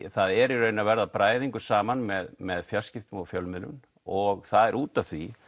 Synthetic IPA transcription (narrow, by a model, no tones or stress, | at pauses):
θaðɛɾirœːɥnavɛɾðapɾaːjðiŋkʏ̥saːmanmɛðmɛðfjal̥scɪft̪ʏmɔfjœlmɪlʏ̰n | ɔɣθaðɛɾʔuːt̪avθvi